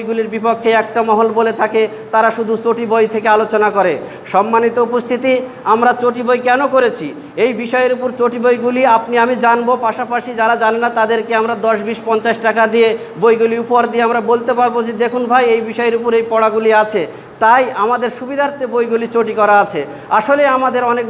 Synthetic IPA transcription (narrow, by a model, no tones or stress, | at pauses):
jɡuliɾbipokʰːeɛk̚ʈamɔɦolbolet̪ʰake | t̪aɾaʃud̪ʱut͡ɕoʈibojt̪ʰekealot͡ɕonakoɾe | ʃɔmːanit̪oupost̪ʰit̪i | amɾat͡ɕoʈibojkɛnokoɾet͡ɕʰi | ejbiʃɔeeɾupoɾt͡ɕoʈibojɡuliapniamid͡ʑanbopaʃapaʃid͡ʑaɾad͡ʑanenat̪ad̪eɾkeamɾad̪ɔʃbiʃpɔnt͡ɕaʃʈakad̪ije | bojɡuliupoɦaɾd̪ieamɾabolt̪epaɾbod͡ʑid̪ekʰunbʱajejbiʃɔeɾupoɾejpɔɽaɡuliat͡ɕʰe | t̪ajamad̪eɾʃubid̪ʱaɾt̪ebojɡulit͡ɕoʈikɔɾaat͡ɕʰe | aʃoleamad̪eɾɔnek̚